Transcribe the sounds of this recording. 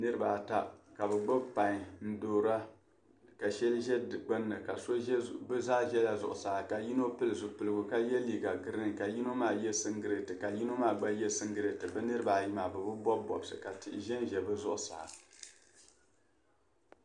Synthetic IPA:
nɨ˦ɾɨ˦ba˨ta˦ka˨bɨ˨ɡ͡bɔ˦bpa˨ɲ˨n̩˦doː˨ɾa˦ | ka˨ʃɛ˦lʒɛ˦dɨ˨ɡ͡bɨ˦nːɨ˨ka˨so˦bɨ˦zaː˦ʒɛ˦la˨zʊ̰˨ʔʊ˨saː˨ka˨ji˦no˦pɨ˦lɨ˨zʊ˨pɨ˨lɨ˨ɡʊ˨ka˦jɛ˦liː˦ɡa˨ɡɨ˦ɾɨ˦n˨ka˨ji˦no˦maː˦˨jɛ˦sɨ˦ŋɡɨ˦ɾɨ˨tɨ˨ka˨ji˦no˦maː˦˨ɡ͡ba˦jɛ˦sɨ˦ŋɡɨ˦ɾe˨tɨ˨bɨ˦nɨ˦ɾɨ˦ba˨ji˦maː˨bɨ˨bɨ˦bɔ˦b̚bɔ˨bsɨ̰˨ka˨tɪ˦˨ʔɪ˨ʒɛ˦nʒɛ˨bɨ˦zʊ˦ʔʊ˨sa̰ː˨

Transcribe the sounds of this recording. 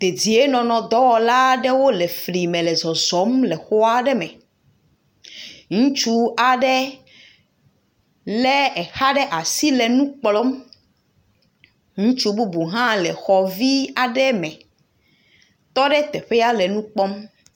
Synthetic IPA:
d̪̥e˨d͡ʑi˨e˦nɔ̃˨nɔ̃˨d̪ɔ˦wɔ˦la˦ɖɛ˦wo˦lɛ˨fli˨mɛ̃˨lɛ˨zɔ˨zɔ˨˦mlɛ˨xɔ˦a˦ɖɛ˦mɛ̃˨ | ŋũ˦t͡ʃu˦a˨ɖɛ˦ | lɛ˦ɛ˨xa˦ɖɛ˦ʔa˨si˦lɛ˨nũ˦k͡plɔ˦m | ŋũ˦t͡ʃu˦bu˦bu˨ɦã˦lɛ˨xɔ˨vi˦a˨ɖɛ˦mɛ̃˨ | t̪ɔ˦ɖɛ˦t̪ɛ˨ɸe˦ja˦lɛ˨nũ˦k͡pɔ˦m

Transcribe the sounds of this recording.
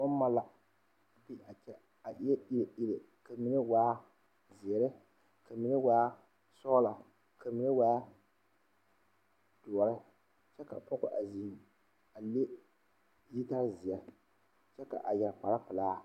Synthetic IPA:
ŋʊ˦n˦ma˦la˦ | bi˦a˨t͡ʃɛ˦ | a˨ʔɪ˦ɛ˦ʔi˦ɪ˨ʔɪ˦lɪ˨ | ka˨mi˨nɨ˦waː˦ | zɪ˨ɛ˨ɾɪ˦ | ka˨mi˨nɨ˦waː˦ | sɔː˦la˨ | ka˨mi˨nɨ˦waː˦ | d̥ɔ˨ɾɪ˦ | t͡ʃɛ˦ka̰˨pɔ˦kʊ̰˦ʔa˨zi˨ | a˨le˦ | ji˦ta˦ɾzɪ˨a˨˦ | t͡ʃɛ˦ka̰˨ʔa˨jɛ˨ɾpa˨la˦pɨ˨laː˦

